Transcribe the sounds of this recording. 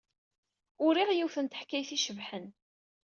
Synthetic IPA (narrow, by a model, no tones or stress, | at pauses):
ʊɾiʁjiwθənt̪ə̥ħkːæjθiʃəvħən